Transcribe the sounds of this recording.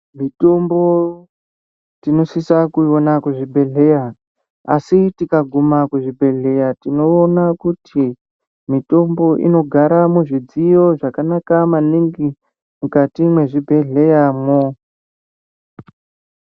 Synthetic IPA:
mito̞mbo̞ | tino̞sisakuonakuʐibʱe̞ɮe̞ja | a̰sitikaɡʱumakuʐibʱe̞ɮe̞jatino̞ːnakutʰi | mito̞mbo̞ʔḭno̞ɡʱaɾamuʐid͡zijo̞ʐakanakamaniŋɡi | mukatimwe̞ʐibʱe̞ɮe̞jamo

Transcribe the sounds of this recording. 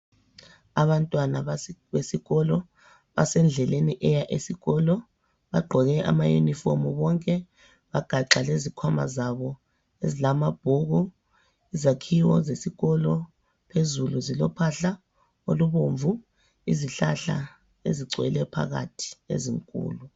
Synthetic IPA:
aβantʼwanaβesiɣɔlɔ | βa̰sɛnd͡ɮʱɛleniʔɛjaʔesiɣɔlɔ | βaɡ͡ǃʱɔɣɛʔa̰majṵnifɔmuβɔŋkʼɛ | βaɡ̥ʱaǁalezikʰwama̰zaβɔ | ezilamab̥ʱuɣɔ | izakʰiwɔzesiɣɔlɔ | pʰezuluzilɔpʰaɬa | oluβoɱvu | iziɬaɬa̰ | ḛziɡ͡ǀʱwɛ̰lɛpʰa̰ɣa̰tʰi̥ḛzḭŋkʼṵːlu

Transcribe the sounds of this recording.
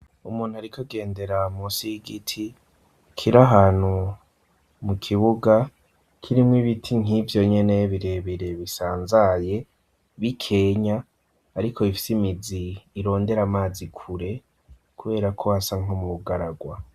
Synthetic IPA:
umuːn̥uaɾikʰoɡe̞ːnde̞ɾamusiɡitʰi | kʰiɾaɦaːn̥hu | mukʰiβuɡa | kʰiɾimwiβitʰiŋ̥ivjo̞ɲe̞ne̞βiɾe̞βiɾe̞βisaːnzaje̞ | βikʰe̞ːɲaː | ɾikʰo̞ifi̥simiziːɾo̞ːnde̞ɾamaːzikʰuɾe̞ | kuβe̞ːɾakʰo̞asaŋ̥omuβuɡaɾaɡwa

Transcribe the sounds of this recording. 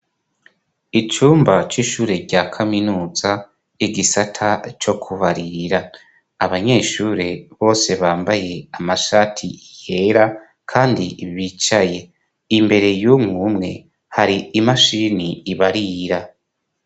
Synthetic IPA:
it͡ʃuːmbat͡ʃiʃuːɾe̞ɾɟaːkʰaminuːza | iɡisatʰat͡ʃo̞kʰuβaɾiɾaː | βaɲe̞ːʃuːɾe̞βo̞ːse̞βaːmbaje̞amaʃaːtʰiihe̞ɾa | kʰaːndiβiːt͡ʃaje̞ | imbe̞ɾe̞juːmŋuːmŋe̞̰ | haɾiimaʃiːniːβaɾiɾa

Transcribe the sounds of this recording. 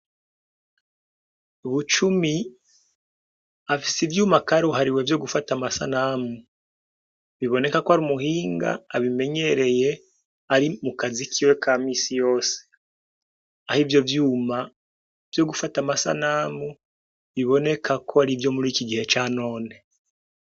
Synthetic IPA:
uβut͡ʃumi | afi̥sivjuːmakaːɾuɦaɾiwe̞vjo̞ɡufatamasa̰namu | βiβo̞ne̞kakoaɾiumuhiːŋɡa̰ːβime̞ɲe̞ɾe̞je̞ | aɾimukazikʰiwe̞kʰaːmiːsijo̞ːse̥ | ahivjo̞vjuːma | v̥jo̞ɡufatamasa̰naːmu | βiβo̞ne̞kʰakʰoaɾivjo̞muɾiːkiɡihe̞t͡ʃaːno̞ːne̞

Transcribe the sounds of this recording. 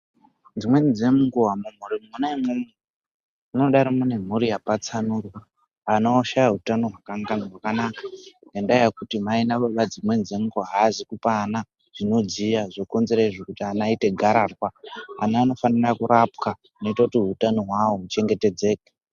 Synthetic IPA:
d͡zimwe̞nd͡zemuɡuwamumurimmunaemumwe | muno̞ɗaɾimune̞m̤uɾijapat͡sanuːrwa | anoːʃajaɦutano̞ɦwakaŋɡanaɦwakanakḁŋɡandajakutimainaɓoɓad͡zimwe̞nd͡zemuɡuaɦazikupaːna | ʐ̥ino̞d͡zijaʐoko̞nzeɾaiʐekutianaite̞ɡʱaɾarwaːnaːno̞fanirakuɾap̚ka | no̞itakutiutanoɦwawoɦut͡ʃe̞ŋɡe̞te̞d͡ze̞ːkḁ

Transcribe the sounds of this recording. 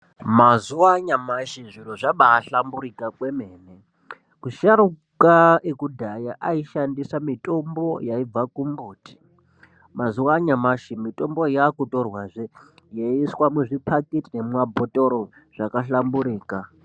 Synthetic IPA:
mazuwaɲamaʃiʐiroʐaɓaːɬambuɾikakwemeːne | kuʃaɾu | kaekudʱajaʔaiʃandisamitʼo̞mbo̞jaib͡vakumbuːtʰi̥ | mazuwaɲamaʃimitʼo̞mbojakutorwaʐe | jaiswamuʐipʰaketinemwabʱotʼoɾo | ʐ̥akaɬambuɾiːka

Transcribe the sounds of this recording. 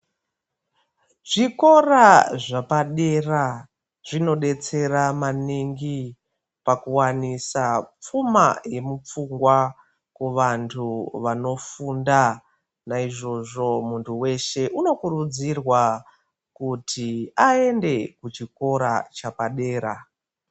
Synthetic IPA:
ʐiko̞raʐapaɗe̞ra | ʐ̥ino̞ɗe̞t͡se̞ɾamaniŋɡi | pakuwanisap͡fuma̰je̞mup͡fuŋɡwa | kwuʋantʰuʋano̞funda | naiʐo̞ʐo̞muntʰuwe̞ʃe̞ʔuno̞kuɾud͡zirwa | kutʰiaende̞kut͡ʃiko̞ɾa̰t͡ʃapaɗe̞ːɾa

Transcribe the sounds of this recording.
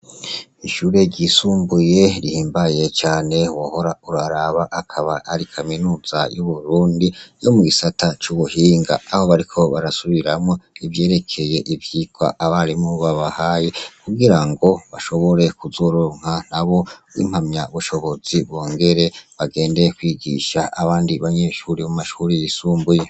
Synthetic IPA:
iʃuːɾe̞ɟisuːmbuje̞ɾihiːmbaje̞t͡ʃaːne̞waho̞ɾauɾaɾaβaʔakʰaβaaɾikʰaminuːz̥a̰juβuɾuːndijo̞muɡisatʰat͡ʃuβuhiːŋɡa̰ːho̞βaɾikʰo̞βaɾasuβiɾamŋo̞ivje̞ːɾe̞kʰe̞je̞ʔivjiɡwa̰ʔaβaɾimuβaβahajekuɡiɾaŋɡo̞βaʃo̞βo̞ɾe̞kuzoɾoːŋ̥han̥aβo̞ḭm̥hamɲaβuʃo̞βo̞ziβɡo̞ːŋɡe̞ɾe̞βaɡe̞ːndekwiːɡḭʃaʔːβaːndiβaɲe̞ːʃuɾiβmumaʃuɾijisuːmbuje

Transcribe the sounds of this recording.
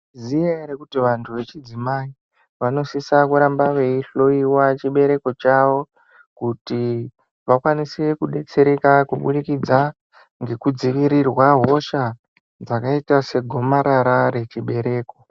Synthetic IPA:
zijeɾekutiʋantʰuʋe̞t͡ʃid͡zimai | ʋano̞sisakuɾambaʋe̞iɬo̞iwat͡ʃiɓe̞ɾe̞ko̞t͡ʃaʋo̞ | kuti | ʋakwanisekuɗe̞t͡se̞ɾe̞kakuɓuɗikid͡za | ŋɡe̞kud͡ziʋiɾirwaɦo̞ʃa | d͡zakaitase̞ɡʱo̞maɾaɾaɾe̞t͡ʃiɓe̞ɾe̞ːko̞

